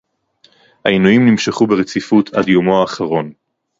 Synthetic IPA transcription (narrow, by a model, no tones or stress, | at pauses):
hainujimnimʃeχubeʁet͡sifutʰa̰djo̞mo̞aːχaʁo̞n